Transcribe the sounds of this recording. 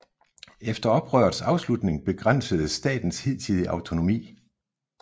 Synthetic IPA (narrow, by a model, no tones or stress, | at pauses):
efd̥ɐɒ̽b̥ʁœːɐðˠsɑ̈ʊslud̥ne̝ŋb̥e̝ɡ̥ʁan̰səð̞̩ˠəsd̥ɛ̰ːd̥n̩she̝ð̰ˠt͡sʰið̞ˠəʔɑ̈ʊt͡sʰo̝no̝mḭː